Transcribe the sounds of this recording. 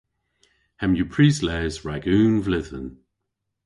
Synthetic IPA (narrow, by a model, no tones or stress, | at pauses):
hɛmjupʰɹiːslɛːzɹaɡuːnvlɪðə̰n